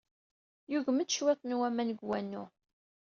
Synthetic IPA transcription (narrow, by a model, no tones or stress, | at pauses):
juʝməd̪ʃwæθˤnwæmænɡwænːʊ